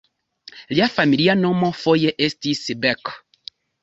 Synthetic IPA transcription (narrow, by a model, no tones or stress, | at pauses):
ljafamilianɔ̃mɔ̃fojeʔestisibɛk